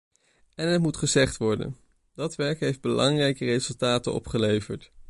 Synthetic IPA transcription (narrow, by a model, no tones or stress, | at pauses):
ɛnɦətmutχəzɛχtʋɔɹdə̰n | dɑtʋɛɹkɦejfd̚bəlɑŋrɛjkərejzɵlˠtaːtənɔ̰pχəlejvəɹt